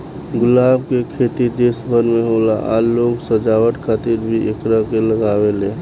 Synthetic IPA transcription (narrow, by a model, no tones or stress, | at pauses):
ɡʊlaːbʱkekʰet̪id̪esbʱəɾmeɦolaʔa̰loːɡsəd͡ʒawəʈkʰaːt̪iɾbʱiʔekɾakeləɡaːwelẽː